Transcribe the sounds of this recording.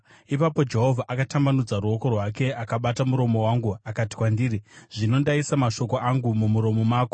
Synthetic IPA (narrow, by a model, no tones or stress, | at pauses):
ipapo̞d͡ʒe̞ɦo̞vʱaʔakatambanud͡zaruo̞ko̞rwake̞ʔakaɓatamuɾo̞mo̞waŋɡuakati̥kwandiːɾiʐ̥ino̞ndaisamaʃo̞koʔaŋɡumumuɾo̞mo̞maːko